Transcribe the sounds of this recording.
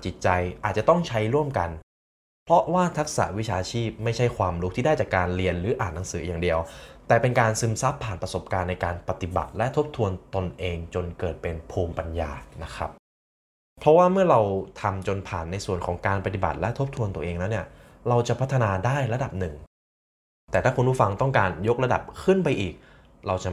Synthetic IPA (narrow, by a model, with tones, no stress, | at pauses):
t͡ɕi˨˩t̪̚t͡ɕa˧jʔaː˨˩t̪̚t͡ɕa˨˩t̪ɔ˥˩ŋt͡ɕʰa˦˥jɾu˥˩əmka˧n | pʰɾɔ˦˥waː˥˩t̪ʰa˦˥k̚sa̰˧˩˦wi˦˥t͡ɕʰaː˧t͡ɕʰiː˥˩p̚ma˥˩jt͡ɕʰa˥˩jkʰwaː˧mɾu˦˥kt̪ʰiː˥˩daː˥˩jt͡ɕaː˨˩kːaː˧nɾi˧ənɾɯː˩˦ʔaː˨˩nːa˦˥ŋsɯː˩˦jaː˨˩ŋdi˧əwt̪ɛː˨˩pe˧nkaː˧nsɯ˧msa˦˥pʰːaː˨˩npɾa˧so˨˩p̚kaː˧nːa˧jkaː˧npa˧t̪i˨˩ba̰˨˩t̪̚lɛ˦˥t̪ʰo˦˥p̚t̪ʰu˧ənt̪o˧nʔeː˧ŋt͡ɕo˧nkɤː˨˩t̪̚pe˧npʰuː˧mpa˧nja̰ː˧na˦˥kʰɾa˦˥p̚ | pʰɾɔ˦˥waː˥˩mɯ˥˩ɐɾa˧wt̪ʰa˧mt͡ɕo˧npʰaː˨˩nːa˧jsu˨˩ənkʰɔː˩˦ŋkaː˧npa˧t̪i˨˩ba̰˨˩t̪̚lɛ˦˥t̪ʰo˦˥p̚t̪ʰu˧ənt̪u˧əʔeː˧ŋlɛː˦˥wni˥˩ɐ | ɾa˧wt͡ɕa˨˩pʰa˦˥t̪ʰːnaː˧daː˥˩jɾa˧da˨˩p̚nɯ˨˩ŋ | t̪ɛː˨˩aː˥˩ku˧npʰuː˥˩fa˧ŋt̪ɔ˥˩ŋkaː˧njo˦˥k̚ɾa˧da̰˨˩p̚kʰɯ˥˩npa˧jʔiː˨˩k̚ | ɾa˧wt͡ɕa˨˩